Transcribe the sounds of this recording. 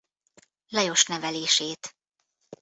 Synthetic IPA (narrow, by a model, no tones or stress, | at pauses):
lɒjo̞ʃnɛvɛleːʃeːt̪